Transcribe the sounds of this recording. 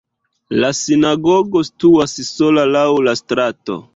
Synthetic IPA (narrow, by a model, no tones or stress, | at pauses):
lasinaɡo̞ɡo̞stuasso̞lalawlastɾato̞̰